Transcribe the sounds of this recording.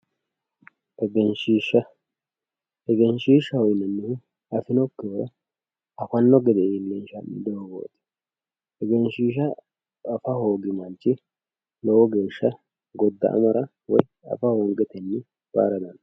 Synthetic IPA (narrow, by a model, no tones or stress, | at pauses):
ɛɡɛnʃiʃɐ | ɛɡɛnʃiːʃɐhɔjnɐnːɪhɪ | ɐfɪnɔkːɪɔɾɐ | ɐfɐnːɔɡɛd̪ɛʔilːɛnʃɐmɪd̪ɔɡo̰ːt̪ʼɪ̥ | ɛɡɛnʃiːʃ̬ɐ | ʔːfɐhoːɡɪmɐnt͡ʃːɪ | lɔwɔɡe̞ːʃːɐ | ɡɔd̪ːɐ̰ʔɐ̰mɐɾɐ | wɔ̰j | ɐ̰fɐhɔŋɡɛt̪ɛnːɪ | b̥a̰ːɾɐd̪ɐn